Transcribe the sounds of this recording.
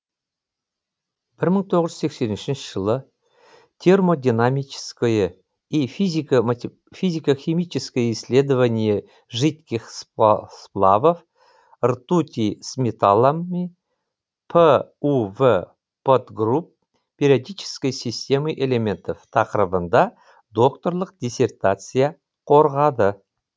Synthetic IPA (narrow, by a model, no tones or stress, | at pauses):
b̥ɪɾməɴt̪ʰo̞ʁəʒɨ̥zse̞ksʲe̞nɪnʃɪnʃəʒəlˠə | t̪ʲʰermo̞d̪ʲinamʲit͡ʃɪ̥skəjə | ifzʲ | fʲizʲikəxʲimʲit͡ʃɪskəjəisʲlʲe̞d̪əvanʲije | ʒɨt̪kʲiχssplˠɑ̰vəf | ərt̪ut̪ʲismʲet̪alˠamːi | pʰəuvə | pʰot̪ɡrup | pʲʰe̞ɾʲiad̪ijt͡ʃʰɪ̥skʲəjsist̪ʲe̞mɨjʔele̞mʲe̞nt̪oft̪ʰɑqəɾəbənd̪ɑ | d̪o̞kt̪o̞rlˠəq̚d̪ʲisʲe̞rt̪at̪sɨja | qʰo̞ɾʁɑd̪ə